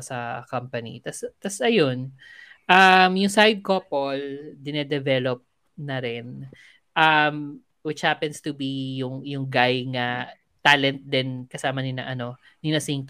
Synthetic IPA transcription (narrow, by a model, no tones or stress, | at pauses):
sɐkɐmpɐnḭt̪ɐst̪ɐsʔɐjon | ʔɐmjʊŋsajd̪̚kopold̪ɪnɛd̪ɛvɛlop̚ | nɐɾɛn | ʔɐm | wɪt͡ʃhapɛnst̪ubijʊŋjʊŋɡajŋɐ | t̪alɛnt̪̚d̪ɛnkɐsaːmɐnɪnɐ̰ʔɐno̞ | nɪnɐsiŋt̪